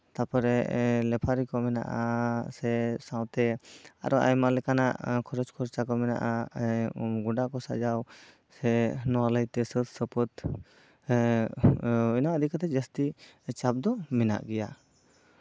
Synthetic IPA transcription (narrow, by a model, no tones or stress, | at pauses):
t̪apɔɾɛlɛpʰaɾikɔmɛna̰ʔasɛsãwt̪ɛa̰ɾɔʔa̰jmalɛkana̰ʔkʰɔɾɔd͡ʒkʰɔɾt͡ʃakɔmɛna̰ʔa | ɡuɖakɔsa̰d͡ʒaw | sɛnɔwaləjt̪ɛsət̪səpət̪ | inaad̪ʱikat̪ɛd͡ʒəst̪it͡ʃap̚d̪ɔmɛna̰ʔɡɛja